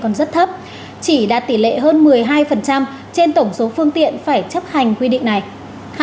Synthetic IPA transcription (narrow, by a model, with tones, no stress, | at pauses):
kɔ˨˩nzə˦˥t̚t̪ʰə˦˥p̚ | t͡ɕi˧˩ɗa̰ː˧˥t̪i˧˩lḛ˧˨ɦəː˧nmɨ˨˩əjɦaː˧jfə˨˩nt͡ɕa˧m | t͡ɕe˧nt̪ə˧˩wŋ͡mso˨˦fɨ˧əŋt̪ḭ˧˨ənfaː˧˩jt͡ɕə˦˥p̚ha˨˩jŋ̟kwi˧ɗḭ̈˧˨ŋ̟na˨˩j